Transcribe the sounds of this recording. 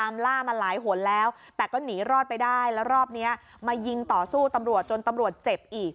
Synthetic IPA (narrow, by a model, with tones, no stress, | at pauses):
aː˧mlaː˥˩ma˧nlaː˩˦jɦu˩˦ə˦nlɛː˦˥w | t̪ɛː˨˩kɔː˥˩niː˩˦ɾɔː˥˩t̪̚pa˧jdaː˥˩jlɛ˦˥wɾɔː˥˩p̚ni˦˥ɐ | maː˧ji˧ŋt̪ɔː˨˩suː˥˩t̪a˧mɾu˨˩ət̪̚t͡ɕo˧nt̪a˧mɾu˨˩ət̪̚t͡ɕe˨˩p̚ʔiː˨˩k̚